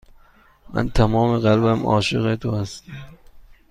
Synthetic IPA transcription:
mæ̰nt̪ʰæmɒːmeɣælbæmɒ̰ːʃeɣet̪ʰohæst̪

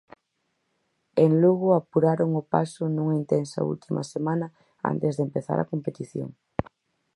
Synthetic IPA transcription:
eŋluɣʊapuɾaɾoŋʊpa̰sʊnuŋɐint̪ensɐ̰ṵlt̪imɐ̰semanɐ | a̰nt̪ezðempeθa̰ɾɐ̰kompet̪iθjo̰ŋ

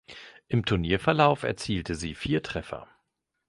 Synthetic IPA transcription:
ʔɪmtʰʊɐniːɐfɛɐlaʊfɛ̰ɐt͡siːltʰəziːfiːɐtʁ̥ɛfɐ̰

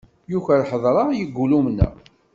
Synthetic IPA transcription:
juçəɾħəðˤɾˤɑjəɡːulumnæ̰

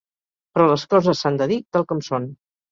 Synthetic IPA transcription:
pɾɔləskɔzəsːand̪əðit̪alˠkɔmson

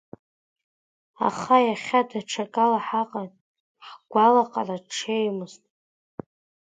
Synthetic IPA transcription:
a̰χajaχʲadaʈ͡ʂʰakʼalaħaqʼan | ħɡʷalaqʼaraʈ͡ʂʰejmɨztʼ

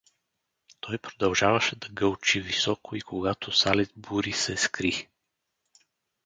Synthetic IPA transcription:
t̪ɔjpɾod̪ɐlˠʒavɐʃɛd̪ɐɡəlˠt͡ʃivisɔkoikʰoɡat̪ʰosalɛt̪̚buɾisɛskɾi

